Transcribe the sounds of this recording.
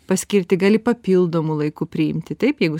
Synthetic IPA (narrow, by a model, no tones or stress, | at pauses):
pɐsʲkʲɪɾʲt̪ʲɪɡɑːlʲɪpɐpʲilˠd̪oːmʊlˠɐɪkupʲɾʲɪɪmʲt̪ʲɪt̪ɐɪpjɛɪɡʊ